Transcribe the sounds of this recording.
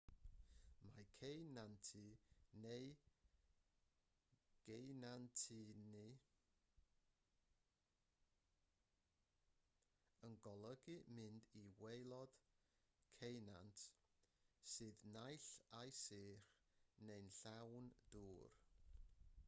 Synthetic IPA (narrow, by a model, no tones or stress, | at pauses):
makʰejnantʰɨnej | ɡ̥ejnantʰini | ənɡɔlˠəɡɨmɨndiwejlˠɔd̥ | kʰejnantʰ | sɨːðnajɬajsiːr | nejnɬawnd̥uːr